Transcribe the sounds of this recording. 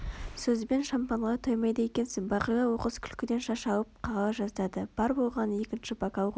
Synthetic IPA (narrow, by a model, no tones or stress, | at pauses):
sɵzbe̞nʃampɑɴʁɑt̪ʰojmɑjd̪ɑje̞kʲe̞nsɪŋbɑqijɑwo̞qəzkʲʰʏ̥lkʲɪd̪e̞nʃɑʃɑwəp̚qʰɑʁɑɑʒɑzd̪ɑd̪əb̥ɑɾbo̞lˠʁɑnje̞kʲɪnʃɪbɑkɑwʁ